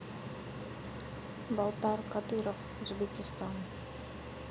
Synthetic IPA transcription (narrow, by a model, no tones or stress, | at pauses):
bɑlˠt̪ɑɾqɑd̪ɨɾof | uzbekʲɪst̪ɑn